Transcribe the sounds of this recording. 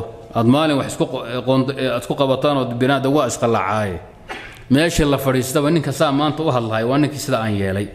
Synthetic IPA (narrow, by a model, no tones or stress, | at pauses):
ʔaːd̪maːlɪnwɑħɪskʰʊqɔːnaːd̪skʰʊqɑβɐt̪ʰaːnɔːd̪bɪnaːd̪ɐɣʊaɪsqɑlɐ̰ʕaːjɛ | mɛːʃilɐfɐɽiːst̪ʰɐβɐnɪŋkʰɐsaːmaːnt̪ʰɐʊɦɐd̪lɐhɛjwɑːnɪŋkʰiːsɪðaːaːnjɛːlɛj